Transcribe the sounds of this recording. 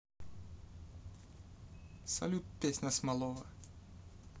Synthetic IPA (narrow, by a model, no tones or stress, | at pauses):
sɐ̰lʲut̪̚pʲesʲnʲɐsmɐlˠɔvɐ